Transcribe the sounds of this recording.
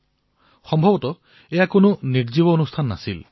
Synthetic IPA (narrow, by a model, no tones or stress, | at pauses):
xɔmbʱɔbɔtɔ | ejakonuniɾd͡ʒibɔonust̪ʰanːa̰sil